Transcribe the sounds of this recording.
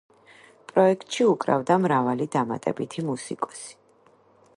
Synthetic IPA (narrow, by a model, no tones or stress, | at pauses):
pʼɾɔɛk̚ʰt̪ʼʃiukʼɾa̰vd̪amɾavalid̪ama̰t̪ʼɛ̰bit̪ʰimusikʼɔ̥si̥